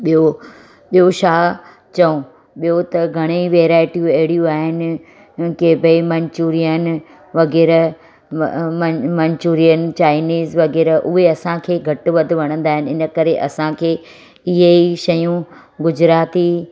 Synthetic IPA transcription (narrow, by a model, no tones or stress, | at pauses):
ɓijo | ɓijoʃaː | t͡ɕɐũ | ɓijot̪ɐɡʱɐɽ̃eʋeːɾaːɪʈijũɐɦɪɽijũaːɦɪnɪ̆ | kebemɐ̃ɲt͡ɕuːɾijən | ʋɐɣɛːɾ | ɐmɐɲt͡ɕuːɾiənt͡ɕaːɪniːzʋɐɣɛːɾʔʊɦeɐsãkʰeːɡʱɐʈʋɐd̪ʱɪ̆ʋɐɽ̃ə̃nd̪aːɦɪnɪɪnə̆kɐɾeʔɐsãkʰeː | ɪɦeiʃɐjũ | ɡʊd͡ʑɾaːt̪i